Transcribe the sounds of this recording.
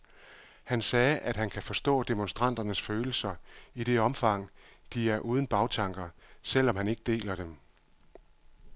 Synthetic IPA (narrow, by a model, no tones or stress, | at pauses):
hænsɛːʔæd̥hænkʰæfɒ̽sd̥ɔ̰̽ːd̥e̝monsd̥ʁɑ̈n̰d̥ɐnəsføːl̩sɐiɾ̥e̝ɒ̽mfɑ̈ŋ̰d̥iæɐʔuːð̞ˠn̩b̥ɑ̈ʊt͡sʰɑ̈ŋɡ̥ɐsel̰ɒ̽mhæne̝ɡ̥əd̥e̝̰ːlɐd̥em